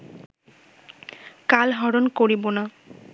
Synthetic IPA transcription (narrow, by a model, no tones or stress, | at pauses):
kalɦɔɹonkoɹibona